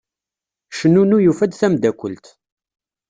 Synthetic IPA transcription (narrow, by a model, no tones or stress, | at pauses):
ʃənunujufæd̪θæmd̪ækʷːəlt̪